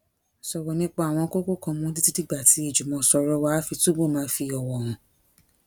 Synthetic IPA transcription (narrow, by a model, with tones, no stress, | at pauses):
sɔ˨wɔ˨nĩ˦k͡pa˦a˨w̃ɔ̃˧˦ko˦ko˦˨kɔ̃˧mũ˧˦di˦ti˦ti˦ɡ͡ba˦˨ti˨˧˦i˦˨d͡ʒu˨mɔ̃˧sɔ˧ɾɔ˧wa˦fi˧tu˦bo˦˨mãː˨˦fi˧ɔ˨wɔ˨ɾ̃ũ˨